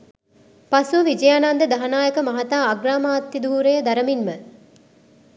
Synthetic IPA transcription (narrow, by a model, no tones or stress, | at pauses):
pasuʋid͡ʒɐjanand̪əd̪aɦanaːjəkəmaɦat̪aːɡɾaːmaːt̪ːid̪uːɾejəd̪aɾəminmə